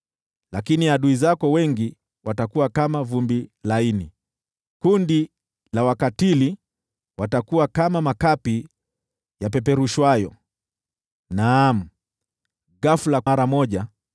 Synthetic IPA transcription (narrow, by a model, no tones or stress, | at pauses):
lakiniaɗuizakɔwɛŋɡi | watakuwakamavumbilaini | kundi | lawakatili | watakuwakamamakapi | jap̬ɛpɛɾuʃwajɔ | nam̩ | ɡafulaɾamɔʄa